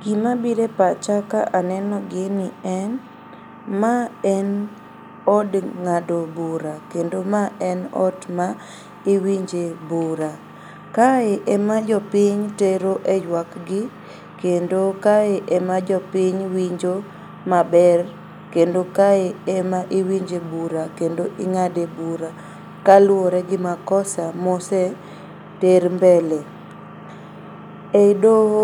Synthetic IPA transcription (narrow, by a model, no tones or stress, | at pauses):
ɡ̥imabiɾepat͡ʃakaʔanɛnɔɡɪnɪɛn | maɛn | ɔdŋadobuɾakendomaʔɛnɔ̰dma | ɪwiɲd͡ʒebuɾa | kaeʔɛmad͡ʒɔpiɲteɾoʔejwakɡɪ | kendokaeʔɛmad͡ʒɔpiɲwiɲd͡ʒo | mabɛr | kendokaeɛmaʔiwiɲd͡ʒebuɾakendoʔiŋadebuɾa | kalwoɾɛɡɪmakɔsamosɛ | teɾmbɛle | edo